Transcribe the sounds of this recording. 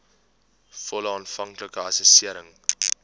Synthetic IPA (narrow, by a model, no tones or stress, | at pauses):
fɔlɑːnfɐŋkləkəɐsəsiəɾəŋ